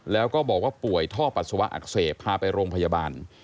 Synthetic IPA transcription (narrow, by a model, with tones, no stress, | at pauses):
lɛː˦˥wkɔː˥˩bɔː˨˩k̚waː˥˩pu˨˩əjt̪ʰɔː˥˩pa˨t̪̚su˧wa˦˥ʔa̰˨˩k̚seː˨˩t̪̚pʰaː˧pa˧jɾoː˧ŋpʰa˧jaː˧baː˧n